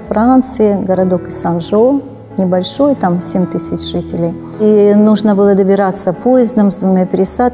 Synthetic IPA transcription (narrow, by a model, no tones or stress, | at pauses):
fɾant̪sɨɪɡəɾɐd̪o̞kɨsɐnʐo | nʲɪbɐlʲʂojt̪amsʲemʲt̪ɨsʲɪt͡ɕʐ̥ɨtʲɪlʲɪj | inuʐnəbɨlˠəd̪əbʲɪɾat̪sːəpʰojɪzd̪əmzvumʲepʲɪɾʲɪsat̪